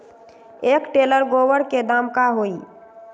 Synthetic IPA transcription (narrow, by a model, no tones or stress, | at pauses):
eːkʈeːləɾɡowəɽked̪aːmkaɦoi